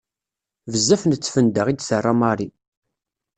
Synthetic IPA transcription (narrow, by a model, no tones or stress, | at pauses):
vəzːæfnət͡sːfənd̪əʁid̪sərˤːamaɾˤi